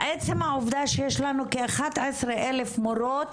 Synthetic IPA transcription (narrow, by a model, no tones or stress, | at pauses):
ʔet͡semhaovd̪aʃejeʃlanukeaχat̪esʁeʔelefmoɾot̪